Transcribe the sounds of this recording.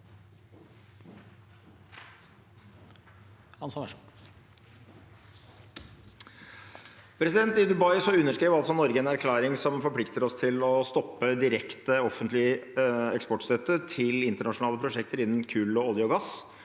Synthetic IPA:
hɑns | pʰɾɛsɪd̪ɛnt̪ɪd̪ʉbɑɪsɔʉnːəʂkɾeːʋɑlt̪sɔnɔɾɡəɛnæɾkʰlɑːɾɪŋsɔmfɔɾpʰlɪkt̪əɾɔst̪ʰɪlɔst̪ɔpːəd̪ɪɾɛkt̪əɔfənt̪lɪɛkspɔʈst̪œt̪ət̪ʰɪlɪnt̪əɳɑʂʊnɑːləpʰɾʊʂɛkt̪əɾɪnːn̩kʰʉːlɔɔlɪɔɡɑs

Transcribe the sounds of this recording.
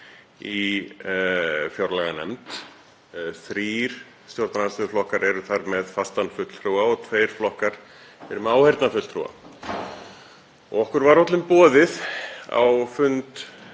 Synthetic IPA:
i | fjowɾlaɣanɛ̰mt̪ | θɾiːɾ̥ | st̪jɔɾt̪naasʏʏflɔhkaɾɛɾʏθaɾmɛðfast̪anfʏt̪l̥fɾuwaɔt̪ʰveːjɾ̥flɔhkaɾ̥ | ɛɾʏmɛaːwhɛjɾt̪nafʏt̪lfɾṵwa̰ | ɔ̰ɣɔhkʏɾvaɾɔwt̪lʏmpɔːðɪða̰wfʏnt̪

